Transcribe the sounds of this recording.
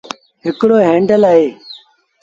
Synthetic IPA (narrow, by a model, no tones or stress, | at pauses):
ɦɪkɽoːɦẽːɳɖəlaːɦeː